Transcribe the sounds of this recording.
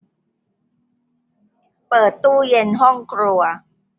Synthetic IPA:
pɤː˨˩t̪ːuː˥˩je˧nɦɔ˥˩ŋkʰɾu˧ɐ

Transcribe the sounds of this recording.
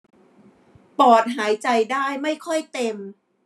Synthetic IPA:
pɔː˨˩t̪̚ɦaː˩˦jt͡ɕa˧jdaː˥˩jma˥˩jkʰɔ˥˩jt̪e˧m

